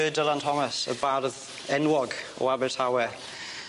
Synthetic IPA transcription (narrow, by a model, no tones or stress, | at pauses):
əːdəlˠantʰɔməsə̰barð | ɛnwɔɡɔ̰abɛrtʰawɛ